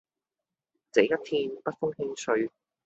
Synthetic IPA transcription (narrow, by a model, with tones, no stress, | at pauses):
t͡se˨˥jɐ˥t̚t̪ʰiː˥npɐ˥t̚fʊ˥ŋhɪ˥ŋsɵ˧ɥ